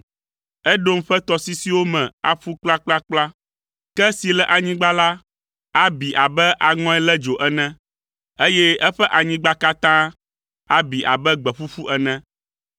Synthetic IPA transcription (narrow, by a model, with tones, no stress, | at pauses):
ɛ˦ɖo˦m˦ɸɛ˦t̪ɔ˨si˦si˨wo˦mɛ̃˨a̰˨ɸu˦k͡pla˦k͡pla˦k͡pla˦ | kɛ˦si˨lɛ˦ʔa˨ɲĩ˦ɡ͡ba˦la˦ | a˦bi˨ʔa˨bɛ˦ʔa˨ŋɔ̃˦ɛ˦lɛ˦d͡ʒo˨ʔɛ˦nɛ̃˦ | e˦jɛ˦ʔɛ˦ɸɛ˦ʔa˨ɲĩ˦ɡ͡ba˦ka˦t̪ã˦ | a˦bi˨ʔa̰˨bɛ˦ɡ͡bɛ˨ɸu˦fu˦ʔɛ˨nɛ̃˦